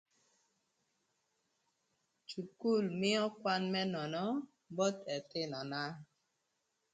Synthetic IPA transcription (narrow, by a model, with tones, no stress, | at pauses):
t͡ʃu˨ku˦˨lmi˦ɔ̃˦kwa˦nmɛ˦nɔ˨nɔ˦ | bɔ˦tɛ˨te˦˨nɔ˨na˦